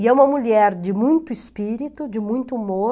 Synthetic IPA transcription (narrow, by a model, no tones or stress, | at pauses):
ɛũmɐmuʎɛɾd͡ʒɪmũj̃t̪ʊispiɾit̪ʊd͡ʒɪmũj̃t̪ʊumo